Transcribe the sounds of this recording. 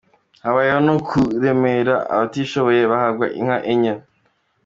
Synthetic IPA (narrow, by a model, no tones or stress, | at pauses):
haβajeonokʰuɾe̞meɾaa̰βatiʃo̞βo̞jeβahaɡɡwa̰ʔḭŋ̥haʔeɲen